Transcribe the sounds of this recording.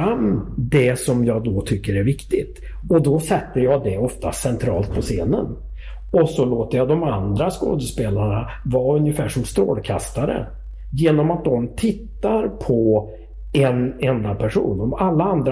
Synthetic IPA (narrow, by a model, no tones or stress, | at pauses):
amːd̪ɛsɔmjɑːd̪ɔt̪ʰʏkːəɾæɾvɪkt̪ɪt̪ | ɔd̪ɔsɛt̪ːəjɑːd̪ɛɔft̪a̰sɛnt̪ʰɾɑ̰ːlt̪̚pʰɔseːnə̰n | ɔsɔloːt̪əjad̪ɔmand̪ɾasko̰ːd̪əspeːlaɳa | vɑːɵnjəfæːʂɔmst̪ɾo̰ːlkʰa̰st̪aɾə̰ | jeːnɔmat̪̚d̪ɔmt̪ʰɪt̪ːaɾpʰɔ | ɛnɛnd̪apʰæʂṵːnɔmalːaand̪ɾ